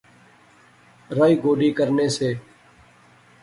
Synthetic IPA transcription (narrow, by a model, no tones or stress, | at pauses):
ɾaːiːɡoːɖiːkəɾneːseː